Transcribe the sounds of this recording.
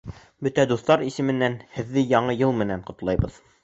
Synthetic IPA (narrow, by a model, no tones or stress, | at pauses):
bɵt̪æd̪uθt̪ɑɾisɘ̆mɘ̆nːænhɘ̆ðːɘjɑɴɤjɤlˠmɘ̆næɴqŏt̪lˠɑjbɤð